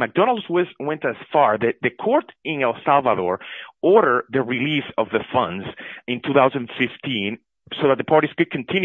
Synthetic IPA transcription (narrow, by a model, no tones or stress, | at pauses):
mæk̚d̥ɔ̃nal̩ˠdwɪswɛ̃ntɨz̥fɑɹðɨðɨkʰɔɹtɪ̃nɛlˠsalˠvaðɔɹɔɹɾə˞ðɨɹilisʌvðəfʌ̰̃ndzɪ̃ntʰuθawzə̃nfɪftʰĩn | soðæt̪̚ðəpʰɑɹɾiskɨd̚kʰɨ̃ntʰɪ̃n